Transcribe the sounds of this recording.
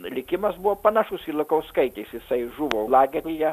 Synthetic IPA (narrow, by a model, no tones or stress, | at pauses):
lʲɪkʲɪmɐsbuʋoːpɐnɐʃʊsilˠɐkɐʊskɐɪt̪ʲɛɪsjɪsɐɪʒuʋoʊlˠɑːɡʲɛtʲɪjɛ